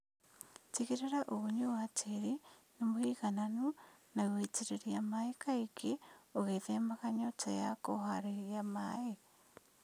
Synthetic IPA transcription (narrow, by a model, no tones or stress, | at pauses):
tiɣeɾeɾaʔoɣoɲuwatʰeɾinemohiɣananunaweteɾeɾiamaekaikeoɣeðemaɣaɲɔtajakoɦaɾeɣiama̰e